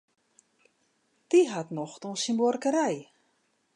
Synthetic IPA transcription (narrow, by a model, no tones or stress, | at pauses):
d̥iɦatnɔχtɔnsimbɔrkəɾɛj